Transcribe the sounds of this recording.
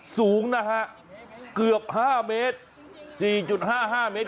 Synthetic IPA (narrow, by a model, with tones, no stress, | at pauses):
suː˩˦˥ŋna˦˥kʰa˦˥ʔ | kɯ˨˩əp̚haː˥˩meː˦˥t̪̚ | siː˨˩t͡ɕu˨˩t̪̚haː˥˩ɦaː˥˩me˦˥t̪